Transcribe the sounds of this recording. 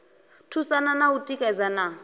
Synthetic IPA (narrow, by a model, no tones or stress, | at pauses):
tʰusananautʼikʼɛd͡zana